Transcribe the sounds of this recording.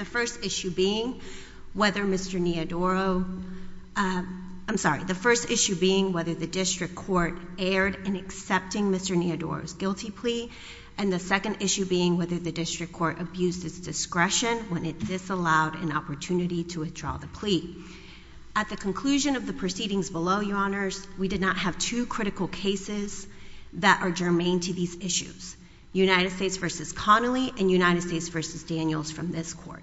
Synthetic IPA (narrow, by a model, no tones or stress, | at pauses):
ðɨfɜ˞stɪʃʉbiɪ̃ŋ | wɛðə˞mɪstə˞niɨdɔɹoʊ | ãɪ̃msɑɹḭðɨfɜ˞stɪʃʉbiɪ̃ŋwɛðə˞ðɨdɪstɹ̥ɨkʰɔɹɾɛɹɾɨ̃nɨksɛp̚tɪ̃ŋmɪstə˞niɨdɔ̰ɹo̰ʊzɡɪlˠtʰipʰl̥i | ɨ̃nðɨsɛkɨ̃ndɪʃʉbiɪ̃ŋwɛðə˞ðɨdɪstɹ̥ɨkʰːɔɹɾʔɨbjʉzɨtsd̥ɨskɹɛʃɨ̃nwə̃nɨt̪̚ðɪsəlaʊɾɨ̰̃nɑpə˞tʰʉnɨɾiɾəwɨθdɹ̥ɔ̰ðɨpʰl̥i | ɨt̪̚ðɨkʰn̩kʰl̥ʉʒɨ̃nʌvðɨpʰɹ̥ɨsiɾɪ̃ŋzbəloʊjəɑnə˞z̥widɨdⁿnət̚hɨv̥tʰʉkʰɹ̥ɪɾɨkl̩ˠkʰeɪsɪz | ðɨɾʔə˞d͡ʒə˞mẽɪ̃ntʰɨðizɪʃʉ̰z̥ | jʉnaɪɾɨd̥steɪtsv̥ɜ˞sɨz̥kʰɑnl̩ˠiʔɨ̃njʉnaɪɾɨd̥steɪtsv̥ɜ˞sɨzdæ̃njl̩ˠz̥fɹʌ̃mðɪskʰɔ̰ɹt̚